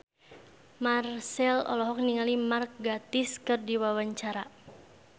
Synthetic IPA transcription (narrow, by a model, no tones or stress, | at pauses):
marsɛlɔ̰lɔɦɔk̚niŋalimark̚ɡat̪ɪskɨrdiwawaɲt͡ʃaɾa